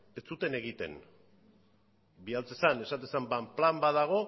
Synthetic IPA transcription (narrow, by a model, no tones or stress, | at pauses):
e̞t͡sut̪e̞ne̞ɣ̞it̪e̞̰n | bialt͡sesanesat̪̬esambamplambaðaɣ̞o̞